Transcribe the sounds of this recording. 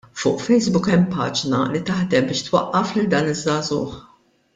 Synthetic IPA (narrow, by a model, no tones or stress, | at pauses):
fʊ̰ːʔfɛjsbʊkɛmːpɐ̰ːd͡ʒnɐlit̪ɐħd̪ɛmbɪːʃt̪wɐʔːɐflɪld̪ɐːnɪzːɐːzʊ̰ːħ